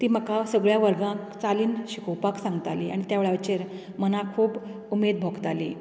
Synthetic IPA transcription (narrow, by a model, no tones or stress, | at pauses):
t̪iːm̤əkasəɡɭjaʋəɾɡãkt͡saliːnɕikowpaksãŋɡt̪alia̰ɽ̃it̪jaʋeɭaʋt͡ɕeɾ | mənakʰuːb | umed̪̚bʱoɡt̪alḭ